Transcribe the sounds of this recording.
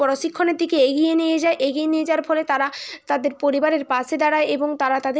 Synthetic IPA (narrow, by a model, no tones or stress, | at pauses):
ɔɾoʃikʰːoneɾd̪ʱikeeɡijenijed͡ʑaeʔeɡijenied͡ʑaaɾfʰɔlet̪aɾat̪ad̪eɾpoɾibaɾeɾpaʃʰed̪aɽaeʔeboŋt̪aɾat̪ad̪e